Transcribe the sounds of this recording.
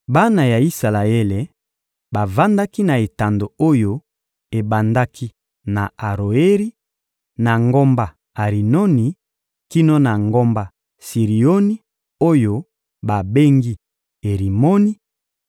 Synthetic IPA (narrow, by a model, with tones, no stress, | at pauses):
ba˦na˨ja˨i˦sa˨la˨e˦le˨ | ba˨va˦nda˦ki˦na˨e˨ta˨ndo˨o˦jo˦ | e˨ba˨nda˦kʰi˦ | na˨a˨ʁo˨e˦ɾi˦ | na˨ŋɡo˦mba˨ | a˨ʁi˨no˦ni˨ | ki˦no˦na˨ŋɡo˦mba˨ | si˨ʁi˨o˦ni˦ | o˦jo˦ | ba˨be˦ŋɡi˦ | e˨ʁi˨mo˦ni˦